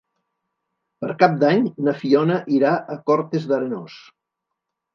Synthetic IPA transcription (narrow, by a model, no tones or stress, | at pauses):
pəɾkap̚d̪aɲnəfiɔnəʔiɾaʔəkɔɾt̪ezðəɾenos